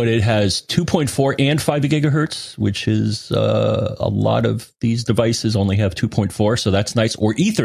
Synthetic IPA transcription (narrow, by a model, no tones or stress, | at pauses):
b̥ʌɾɪt̚ɦɨz̥tʰʉpʰɔ̃ɪ̃ntfɔɹʔɨ̃nfaɪvɡɪɡɨɦɜ˞tswɪt͡ʃɪzʌ̰ə̰lɔ̰ɾʌ̰vðizdɨvaɪsɨzõʊ̃nliɨv̥tʰʉpʰɔ̃ɪ̃ntfɔɹsoʊðætsnaɪtsə˞ʔiθə